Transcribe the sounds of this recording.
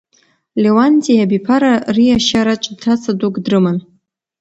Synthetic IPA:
lewanʲtʼijabipʰaɾarijaʃaɾat͡ʃʷʼdtʰat͡sʰadukʼdrɨman

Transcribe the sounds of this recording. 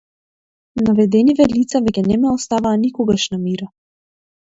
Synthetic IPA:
navɛd̪ɛnivɛlit̪savɛkʲɛnɛmɛɔst̪avaːnikɔɡaʃnamiɾa

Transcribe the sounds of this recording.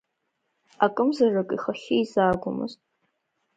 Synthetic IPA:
akʼɨmzarɨkʼiχaχɪizaːɡʷʊmɨ̰ztʼ

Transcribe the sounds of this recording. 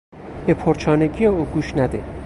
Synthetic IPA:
bepʰoɾt͡ʃʰɒːneɡijeuːɡuːʃnæd̪e

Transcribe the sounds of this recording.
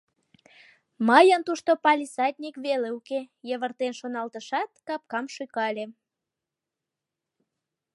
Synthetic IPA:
məjənt̪uʃt̪opɑlʲisɑt̪ʲnʲikβeleukejəβərt̪enʃonɑlt̪əʃɑt̪kɑp̚kɑmʃykɑlʲe

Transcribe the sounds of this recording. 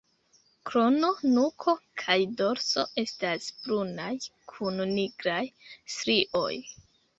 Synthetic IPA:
kɾo̞no̞nukʰo̞kʰajdo̞ɾso̞ʔe̞stasb̥ɾunajkʰunniɡɾajstɾiʔo̞̰j

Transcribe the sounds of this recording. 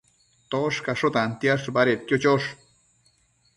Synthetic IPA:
t̪oʂkaʂot̪ant̪jaʂbaɾet̪jot͡ʃoʂ

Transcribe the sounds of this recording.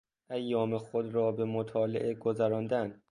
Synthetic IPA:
ʔæjːɒːmexod̪ɾɒːbe̞mot̪ʰɒːlḛʔeɡozæɾɒːnd̪æn

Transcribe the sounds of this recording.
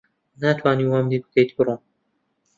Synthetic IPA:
naːt̪ʰwaːniwamd̪iːbɨ̥kejt̪bɨɾˤuː

